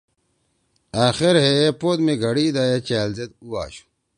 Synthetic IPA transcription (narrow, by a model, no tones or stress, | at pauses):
aːxeɾɦepod̪meɡʱɐɽiːd̪aːjet͡ɕaːlzet̪̚ua̰ːɕu̥